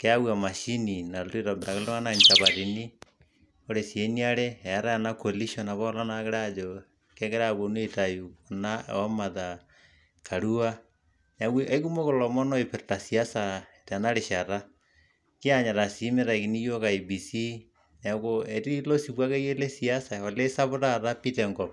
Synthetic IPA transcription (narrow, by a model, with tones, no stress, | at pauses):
ke˦a˦wwa˨ma˨ʃi˦ni˨na˨lti˦ɾa˨beɾa˨ke˦lo˦ŋa˦naɲ˨ta˨βa˨ði˨ni˦ | o˦ɾe˨sje˦ni˦a˦ɾe˦ɛ˨a˦ɾa˦a˨na˦ko˨li˦ʃo˦na˨βɔ˦la˦nake˦ɾad͡ʒo | kɛ˦ke˦ɾa˦βo˨no˦e˨ta˨ju˨o˨na̰˦ɔ˦ma˨ða˨ | kʰa˨ɾu˦a˦ | na˨weʔa˦i˦ku˦mo˦ɣo˨lɔ˨mɔ˦nɔ˦epe˨ɾta˨sia˦sa˨e˨ta˨na˦ɾe˨ʃaɾa˦ | ki˦aɲa˨ɾa˨si˨˦me˦ɾa˨ki˨ni˦jo˦ka˨i˨bi˨si˦ | na˨koe˨ti˦i˦lo˦siβwa˦ke˦ie˦le˦sia˦sa˨o˨le˦sa˦βo˦ɾa˦ɾa˦pi˦tɛŋɡɔ˨